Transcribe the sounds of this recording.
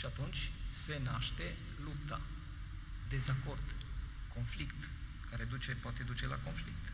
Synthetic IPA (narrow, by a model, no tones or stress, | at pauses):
ʃiat̪unt͡ʃʲse̞naʃt̪e̞ | lup̚t̪a̰ | d̪e̞zako̞rd̪ko̞nflikt̪ | kaɾe̞d̪ut͡ʃe̞poat̪e̞d̪ut͡ʃe̞la̰ko̞nflik̚t̪